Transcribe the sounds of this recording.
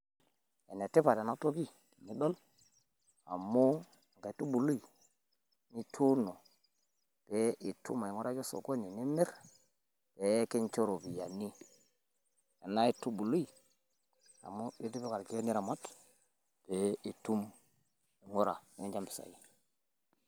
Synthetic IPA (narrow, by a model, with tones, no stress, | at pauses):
ḛ˨ne˨te˦pa˨da˨na˦to˦ki˦˨ | ni˨˦ɗo˦l | a̰˨mːo˦˨ | ka˨i˨tu˦bu˨lu˦i˨ | ni˦tʰu˦no˨ | b̥e˦ʔi˨tʰṵ˦ma˨i˨ŋo˦ɾa˦ke˦so̰˨ko˦ni˨ni˦me˦ɾ | pe˨˦ke˦nt͡ʃo˦ɾo˨bi˨ja̰˨ni˦ | ja˨na˦i˦tu˦bu˨lu˦i˨ | a̰˨mo˦be˦di˦be˦ka˨ɾke˦ni˦ɾa˨ma˦t | b̥e˨˦i˨tu˦m | i˨ŋo˦ɾa̰˨i˨ŋe˦d͡ʒa˦mpi˨sa̰˨ji˦